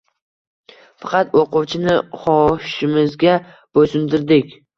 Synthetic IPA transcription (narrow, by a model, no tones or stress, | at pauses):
fɑ̥qɑt̪oqʊwt͡ʃʰɪnɪχɒʃɪmɪzɡʲa | b̥osɪmd̪ɪɾd̪ɪkʲ